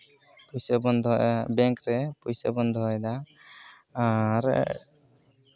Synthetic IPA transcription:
pɔjsabɔnd̪ʱɔbɛŋkɾɛpujsa̰bɔnd̪ʱɔɦɔjd̪a | ɾ

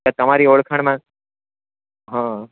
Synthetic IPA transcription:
at̪ɐmaːɾiːoːɭkʰəɽ̃mã | ɦãː

